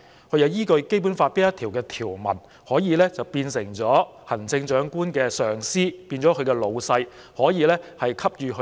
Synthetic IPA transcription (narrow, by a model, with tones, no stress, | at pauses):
kʰɵ˨˧ɥjɐ˨˧wjiː˥kɵ˧ɥke˥jp̬uː˨˥nfaː˧t̚piː˥jɐ˥t̪ʰiː˨˩wkɛː˧t̪ʰiː˨˩wmɐ̰˨˩n | hɔː˨˥jiː˨˧lɛː˥t͡sɐ˨wpiː˧nsɪ˨˩ŋt͡sɔː˨˥hɐ˨˩nt͡sɪ˧ŋt͡ʃœː˨˥ŋkuː˥nkɛː˧sœː˨˩ŋsiː˥piː˧nt͡sɔ˨˥kʰɵ˨˧ɥkɛː˧lo˨˧wsɐ˧j | hɔː˨˥jiː˨˧lɛː˥hɐ˨jkʰɐ˥p̚jyː˨˧kʰ